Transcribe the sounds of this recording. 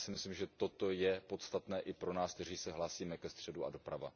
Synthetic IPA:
sɪmɪslimʒɛt̪o̞t̪o̞jɛpo̞t̪st̪at̪nɛːʔɪpɾonaːskt̪ɛriːsɛɦlaːsiːmɛkɛst̪r̝̥ɛdua̰do̞pɾava̰

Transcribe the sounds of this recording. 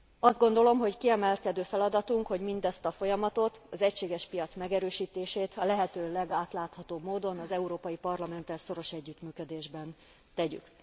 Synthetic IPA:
ɒzd̪̚ɡo̞nd̪o̞lo̞mɦo̞ckiɛmɛlkɛd̪øːfɛlɒd̪ɒt̪uŋkho̞ɟmind̪ɛst̪ɒfo̞jɒmɒt̪o̞t̪ɒzɛcʃeːɡɛʃpijɒt̪smɛɡɛɾøːʃiːt̪eːʃeːt̪ɒlɛɦɛt̪øːlɛɡaːt̪laːt̪hɒt̪oːbmoːd̪o̞nɒzɛuɾoːpɒjipɒrlɒmɛnt̪ɛlso̞ɾo̞ʃɛɟːyt̪myːkød̪eːʒbɛn | t̪ɛɟy̰k

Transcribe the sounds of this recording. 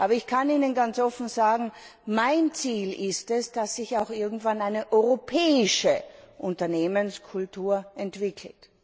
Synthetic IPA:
ʔaːbɐɪçkʰaniːnənɡant͡sʔɔfn̩zaːɡŋ̩maɪnt͡siːlɪstɛsd̥asːɪçaʊxʔɪɐɡŋ̩tv̥anaɪnəʔɔʏʁopʰɛːɪʃəʔʊntɐneːmənskʰʊltuːɐɛntv̥ɪkʰl̩t

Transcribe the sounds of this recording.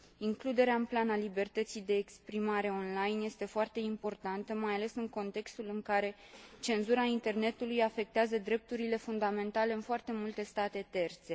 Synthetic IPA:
iŋklud̪e̞ɾeaɨnplanalibe̞rt̪ət̪sijd̪e̞ːkspɾimaɾe̞o̞nlajnje̞st̪e̞foart̪e̞impo̞rt̪ant̪əmajale̞sɨŋko̞nt̪e̞kst̪ulɨŋkaɾe̞ | t͡ʃe̞nzuɾaint̪e̞rne̞t̪ulujafe̞k̚t̪eazəd̪ɾe̞p̚t̪uɾile̞fund̪ame̞nt̪ale̞ɨnfoart̪e̞mult̪e̞st̪at̪e̞t̪e̞rt̪se̞

